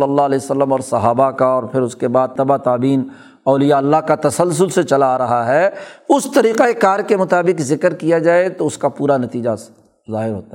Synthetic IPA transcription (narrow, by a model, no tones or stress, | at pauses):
ləlːalɛːsəlːəmɔːɾsɐɦaːbakaɔːɾpʰɪɾʊskebaːd̪̚t̪ɐbat̪aːbiːn | ɔːlijaɐlːaɦkat̪ɐsəls̬ʊlset͡ʃɐlaːɾɐɦaɦɛʊst̪ɐɾiːqeekaːɾkemʊt̪aːbɪkzɪkəɾkijad͡ʒaːet̪oʊskapuːɾanɐt̪iːd͡ʒa | zaːɦɪɾɦo̰ːt̪aɦ